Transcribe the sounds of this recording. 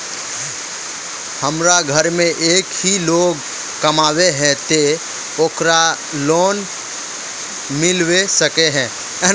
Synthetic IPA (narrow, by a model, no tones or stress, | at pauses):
həmɾaɡʱəɾmẽʔeːkɦiloːɡ | kɐmaːweɦɛ̃t̪e | oːkɾa | loːn | mɪlwesəkeɦɛ̃ː